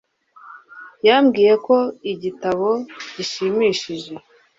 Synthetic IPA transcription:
jamɡiːje̞ko̞iɟitaβo̞ɟ̥iʃimiːʃiʒe̞

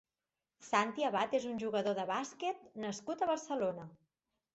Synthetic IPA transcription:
sant̪iəβat̪ezunʲʒuɣəðoðəβasket̪nəskut̪əβərsəlonə

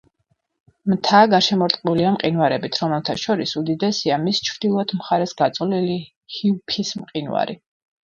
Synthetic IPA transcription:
mt̪ʰaɡaʃɛmɔɾt̪ʼqʼbuliamqʼinwaɾɛbit̪ʰɾɔmɛlˠt̪ʰaʃɔɾisud̪id̪ɛsiamist͡ʃʰvd̪̥ilˠɔad̪ʰmχaɾɛsɡat̪sʼlili | hiupʰismqʼinwa̰ɾḭ

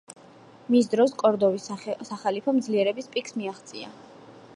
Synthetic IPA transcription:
misd̪ɾɔskʼɔɾd̪ɔvissaχalipʰɔmd̪zliɛɾɛbispʼikʰsmiaχt̪sʼḭa̰

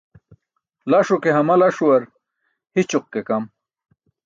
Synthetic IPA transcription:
laʂokeɦɐmɐlaʂuwɐɾ | hit͡ɕuq̚kekɐm

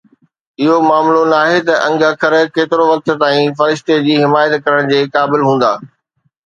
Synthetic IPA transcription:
ɪɦomaːmlonaːɦet̪ɐʔɐ̃ŋɡakʰɐɾkeːt̪ɪɾoʋɐk̚t̪t̪aːĩfɐɾɪʃt̪ed͡ʑiːɦɪmaːjət̪kɐɾəɽ̃d͡ʑeːkaːbɪlɦũːn̆d̪aː

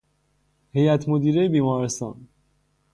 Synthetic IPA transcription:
he̞jæt̪ʰmod̪iːɾejebiːmɒːɾest̪ɒ̰ːn

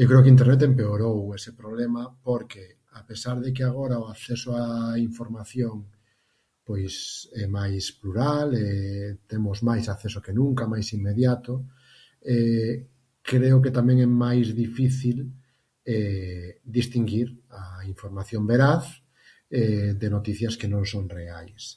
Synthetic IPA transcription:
ewkɾeokint̪eɾnet̪̬empeoɾowesepɾoβlemapoɾke | apesaɾðek̬eaɣ̞oɾaoaθesoaiɱfoɾmaθjoŋ | pojsɛmajspluɾalet̪emozmajsaθesokenũŋkamajsimːeðjat̪o | e | kɾeoket̪amẽŋɛmajzðifiθil | ɛd̪ist̪iŋɡiɾaiɱfoɾmaθjombeɾaθ | ɛd̪enot̪iθjaskenõŋsõŋreajs

